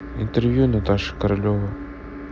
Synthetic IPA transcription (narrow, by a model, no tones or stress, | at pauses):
ḭnt̪ɛrvʲjunɐt̪aʂɨ̥kɐɾɐlʲovɐ